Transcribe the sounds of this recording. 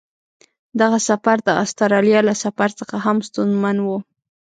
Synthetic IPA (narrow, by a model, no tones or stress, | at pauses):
d̪aɣasafaɾd̪əʔa̰st̪aɾɑljɑlasafaɾt͡səxaɦamst̪unzmanwu